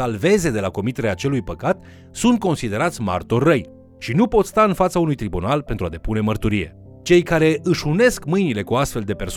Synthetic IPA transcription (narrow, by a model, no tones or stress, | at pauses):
alve̞ze̞d̪e̞lako̞mit̪e̞ɾeaːt͡ʃe̞lujpəkat̪ | sunt̪̚ko̞nsid̪e̞ɾat̪sʲma̰rt̪orːəj | ʃinupo̞t̪st̪aɨnfat̪saunujt̪ɾibunalpe̞nt̪ɾua̰d̪e̞pune̞mərt̪uɾije̞̰ | t͡ʃe̞jkaɾe̞ʔɨʃune̞skmɨjnile̞kuast̪fe̞ld̪e̞pe̞rs